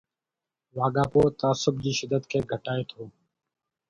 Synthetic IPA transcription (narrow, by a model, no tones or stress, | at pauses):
ʋaːɡaːpoːt̪aːsʊb̚d͡ʑiːʃɪd̪ʱət̪kʰeːɡʱəʈaːeːt̪ʰoː